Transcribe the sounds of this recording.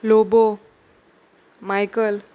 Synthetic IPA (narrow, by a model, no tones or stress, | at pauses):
lobo | majkəl